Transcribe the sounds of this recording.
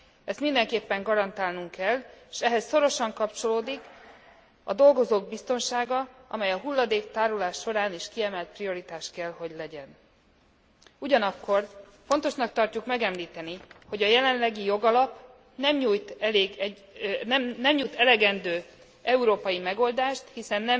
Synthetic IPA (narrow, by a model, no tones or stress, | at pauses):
ɛst̪mind̪ɛŋkeːpːɛŋɡɒɾɒnt̪aːlnuŋkɛlːeʃɛɦɛsːo̞ɾo̞ʃɒŋkɒpt͡ʃo̞loːd̪ik | ɒ̰d̪o̞lɡo̞zoːɡ̚bist̪o̞nʃaːɡɒɒ̰mɛjɒɦulːɒd̪eːkt̪aːɾulaːʃːo̞ɾaːniʃkiɛmɛlt̪̚prijo̞ɾit̪aːʃkɛlho̞ɟlɛɟɛn | uɟɒnɒkːo̞r | font̪o̞ʃnɒk̚t̪ɒrcukmɛɡɛmliːt̪ɛniho̞ɟɒjɛlɛnlɛɡijo̞ɡɒlɒp | nɛmɲuːjt̪ɛleːɡɛ | ɛnɛmɲut̪ɛlɛɡɛnd̪øː | ɛuɾoːpɒjimɛɡo̞ld̪aːʃt̪hisɛnːɛm